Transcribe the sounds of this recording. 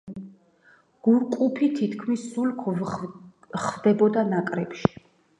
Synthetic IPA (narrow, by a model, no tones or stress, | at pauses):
ɡ̥uɾkʼupʰit̪ʰit̪ʰkʰmisːulkʰ | χvd̪ɛbɔd̪anakʼɾɛpʃi̥